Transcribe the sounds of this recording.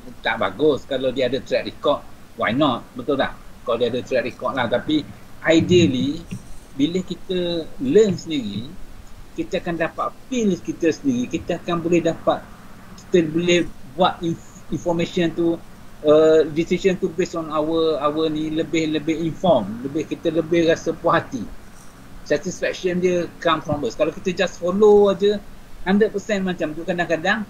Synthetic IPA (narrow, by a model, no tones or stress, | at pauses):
t̪aʔba̰ɡʊskaladiəadət̪ɾɛt̪̚rikɔrt̪̚wa̰jnɔt̪̚bət̪ulla̰hkadiadət̪ɾɛt̪̚rikɔt̪̚laht̪api | ʔajdiəlibiləhkit̪ələnsəndiɾi | kit̪əakandapat̪̚filskit̪əsəndiɣikit̪əakanbolɛhdapat̪̚ | ki̥t̪əbəlɛhbuat̪in | infɔrmẽʃənt̪u | ədisisənt̪ubesɔnawəawənĩləbɪhləbɪhinfɔrmləbɪhkit̪ələbɪhrasəpaɦat̪i | sɛt̪isfɛk̚ʃəndiəkamfɾɔ̃mbəskalakit̪əd͡ʒasfoload͡ʒəhandɾət̚pəsɛ̃nmat͡ʃamt̪ukadaŋkadaŋ